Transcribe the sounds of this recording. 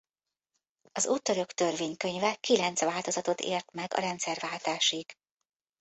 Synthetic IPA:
ɒzuːt̪ːøɾø̞kt̪ø̞rveːɲkøɲvɛkilɛnt̪sʋaːlt̪o̞zɒt̪o̞t̪ḛːrt̪mɛɡɒ̰ɾɛnt̪sɛrvaːlt̪aːʃiɡ̥

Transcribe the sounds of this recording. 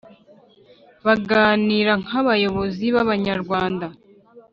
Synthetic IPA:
βaɡaːniːɾaŋ̥haβajo̞βo̞ziβaβaɲaɾɡwaːnda

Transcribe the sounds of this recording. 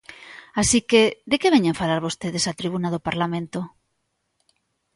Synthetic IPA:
asikeðekeβeɲẽɱfalaɾβost̪eðesat̪ɾiβunaðopaɾlamẽnt̪o

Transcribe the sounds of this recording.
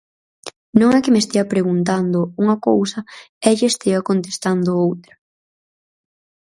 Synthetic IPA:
nõŋɛkɪmest̪iɐpɾeɣunt̪̬and̪ʊuŋɐkowsɐ | ɛʎɪest̪eɐkont̪est̪and̪ʊowt̪ɾɐ

